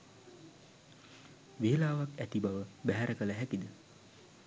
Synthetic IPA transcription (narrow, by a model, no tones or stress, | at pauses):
ʋeːlaːʋakæt̪ibaʋəbæɦæɾəkələɦækid̪ə